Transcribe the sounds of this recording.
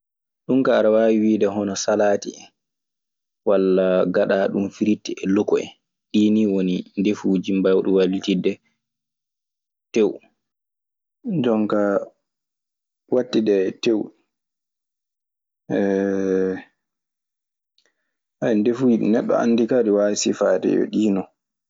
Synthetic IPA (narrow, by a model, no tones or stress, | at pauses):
ɗumkaːɾawawiwiːdɛɦɔnɔsalaːtḭ | walːaɡaɗaɗumfiɾitːiɛlukɔɛ̰ | ɗiːniwonindefud͡ʒimbawɗuwalitidɛ | tew | d͡ʒɔŋka | watːidɛtew | ɛ | ʔajndefuːd͡ʒiɗ̰nɛɗːɔ̰a̰nːdikaːdiwasifaːtɛ̰jɔ̰ɗiːnɔ